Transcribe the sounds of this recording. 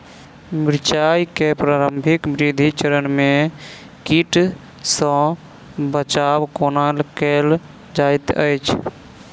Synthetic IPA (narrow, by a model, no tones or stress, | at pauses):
miɾt͡ʃajkepɾaɾəmbʱikbɾid̪ʱit͡ʃəɾənme | kiʈ | sə̃ | bət͡ʃabkonalkel | d͡ʒajt̪ə̰jt͡ʃʰ